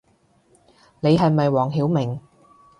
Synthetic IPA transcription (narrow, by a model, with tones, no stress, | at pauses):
ne˨˧jɦɐ˨jmɐ˨jwɔː˨˩ŋɦiː˨˥wmɪ˨˩ŋ